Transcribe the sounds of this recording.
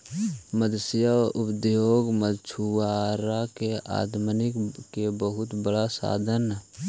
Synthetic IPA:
məd̪sjəʊpd̪joːɡməd̪t͡ʃʰuaːɾakeʔa̰ːd̪mənɪkːebəɦʊt̪bəɽasa̰ːd̪ʱən

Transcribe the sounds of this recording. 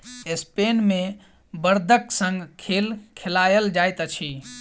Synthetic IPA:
espenme | bəɾd̪ʱəksə̃ŋɡkʰelkʰelajəld͡ʒajt̪ət͡ʃʰi

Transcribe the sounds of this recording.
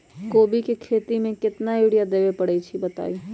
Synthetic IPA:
koːbikekʰeːt̪imẽkɪt̪naiɽijad̪eːʋepəɽɛit͡ʃʰibət̪a̰ːi

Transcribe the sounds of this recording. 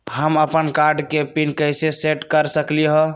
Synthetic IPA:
ɦəməpənkaɾɖkepinkəjseseʈkəɾsəkliɦɔ̃

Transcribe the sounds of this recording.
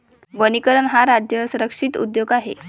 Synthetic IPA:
ʋənikəɾənɦaɾad͡ʑjəsuɾəkʂit̪ṵd̪joɡaɦḛ

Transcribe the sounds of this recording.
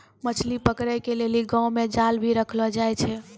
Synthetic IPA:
mət͡ʃʰlipəkɾəkeleliɡãwmed͡ʒalbʱiɾəkʰlɔd͡ʒajt͡ʃʰɛ

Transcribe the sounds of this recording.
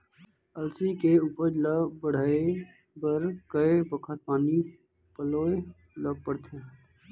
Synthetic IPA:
əlsikeuːpəɾləbəɽ̤aːe | bəɾkəebəkʰət̪̚paːni | pəloːe | ləɡ̚pəɽt̪ʰe

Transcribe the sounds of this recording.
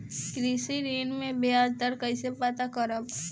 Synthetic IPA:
kɾiːsiɾiːnmẽbead̪əɾkəisepət̪akəɾəb

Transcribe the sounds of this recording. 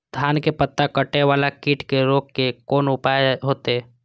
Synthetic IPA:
d̪̥ʱaːnkepət̪ːakəʈːeʋaːlakɪːʈʰkeɾoːkkekoːnʊpaːeɦoːt̪eɛː

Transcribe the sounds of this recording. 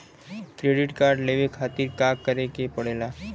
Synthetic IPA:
kɾeɽiʈkaɾɖleʋekʰat̪iːɾkakːəɾekepəɽela

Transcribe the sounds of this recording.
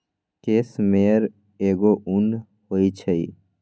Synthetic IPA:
keːsmeəɾ | eːɡoʔʊn | hoːit͡ʃʰəiː

